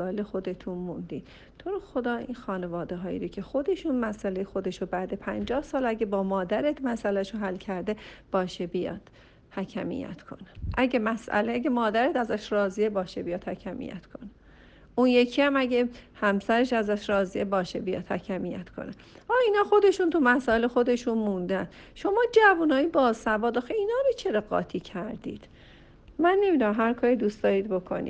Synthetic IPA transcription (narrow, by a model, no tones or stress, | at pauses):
ɒːelexo̞d̪e̞t̪ʰunmund̪iːd̪ | t̪ʰoɾoxod̪ɒːḭːnxɒːnevɒːd̪eɦɒːḭɾocʰe̞xo̞d̪e̞ʃunmæsælejexo̞d̪eʃobæd̪e̞pʰænd͡ʒɒːhsɒːlæɟebɒːmɒːd̪æɾet̪mæsælæʃoɦælːcʰæɾd̪eb̥ɒːʃebijɒ̰ːd̪̥ | hæcʰæmḭjæ̰t̪ʰkʰo̞̰neʔæɟemæsʔæ̰leæɡemɒːd̪æɾet̪æzæʃrɒːziebɒːʃebijɒːd̪hæcʰæmḭjæ̰t̪kʰo̞ne | ʔunjecʰiæmæɟehæmsæɾeʃæzæʃɾɒːziebɒːʃebijɒ̰ːd̪̥hæcʰæmijæ̰t̪kʰo̰ne | ʔɒːiːnɒːxo̞d̪e̞ʃuːnt̪ʰumæsɒːelexo̞d̪e̞ʃunmund̪æn | ʃo̞mɒːd͡ʒævunɒːjibɒːzsæbɒːd̪ɒːxeiːnɒːɾot͡ʃʰeɾeɡɒ̰ːt̪ʰiːcʰæɾd̪ḭːd̪̥ | mænːe̞miːd̪uæmɦæɾkʰɒːɾid̪uːst̪d̪ɒːɾiːd̪̚bo̞kʰo̰nḭ̥